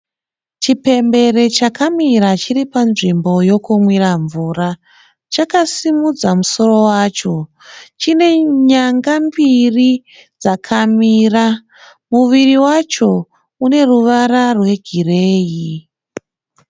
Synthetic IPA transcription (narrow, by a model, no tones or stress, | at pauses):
t͡ʃipe̞mbe̞re̞t͡ʃakamiɾat͡ʃiripanʐimbo̞jo̞kumwiraɱvuːra | t͡ʃakasimud͡zamuso̞ro̞waːt͡ʃo̞ | t͡ʃine̞ɲaŋɡambiri | d͡zakʰamiːra | muʋiriwat͡ʃo̞ | une̞ruʋaɾarwe̞ɡʱire̞ːji